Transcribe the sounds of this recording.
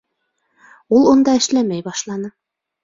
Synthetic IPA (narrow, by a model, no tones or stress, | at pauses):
ulˠŏnd̪ɑɘ̆ʃlæmæjbɑʃlˠɑnɤ